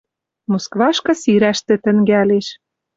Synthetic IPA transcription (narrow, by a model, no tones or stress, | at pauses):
moskβɑʃkɤ̆siɾæʃt̪ĕt̪ɘ̆ŋɡæleʃ